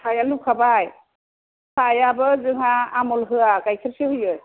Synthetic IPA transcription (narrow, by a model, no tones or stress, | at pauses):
sʰajalup̚kʰabaj | sʰajabɯzɯŋaːmɔlɦɯakajkʰiɾsɯhɯjɯj